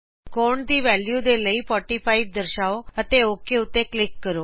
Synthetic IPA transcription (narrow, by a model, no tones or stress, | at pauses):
koɳd̪iːʋɛljud̪eləifɔʈifʰaiʋ̚d̪əɾʃaoət̪eokeut̪ːeklɪkːəɾo